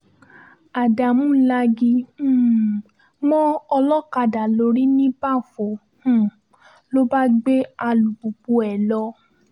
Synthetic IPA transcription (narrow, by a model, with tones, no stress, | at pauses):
a˨da˨mũ˦la˧ɡĩ˧˦ | mɔ̃˦ɔ˧lɔ˦ka˧da˨lo˨˦ɾi˦nĩ˦ba˦˨fo˨ | ũ˦˨ | lo˦ba˦ɡ͡be˦a˧lu˨bu˨k͡pu˧ɛ˨lɔ˧